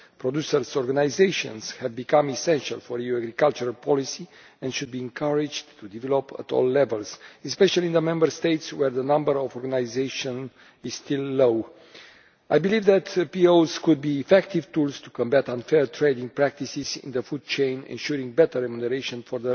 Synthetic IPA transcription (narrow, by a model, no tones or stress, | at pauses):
pɾod̪jusəɾsɔɾɡanajzejʃɔ̰̃nshɛvbikãmisɛ̃nʃa̰lfɔɾijuaɡɾikalt͡ʃuɾalpʰɔlisi | ɛ̃ndʃud̪̚biɛ̃ŋkʰaɹid͡ʒt̪ʰud̪ivɛlopə̰t̪ʰɔ̰lːɛvəlsispɛʃalind̪əmɛ̃mbəɾst̪ejt̪swɛɾðənãmbəɾɔvɔɾɡanajzeʃɔ̃n | iz̥st̪ilːow | ajbilivðæt̪piowskud̪̚biːfɛkt̪ivt̪ulst̪u̥kɔ̃mbæt̪ãnfɛɹt̪ɾejd̪ĩŋ̚pɾæk̚t̪isizḭ̃nðəfud̪̚t͡ʃẽjnɛ̰̃nʃuɾĩŋɡbɛt̪əɾːɛmunɛɾeʃə̃nfɔɾðə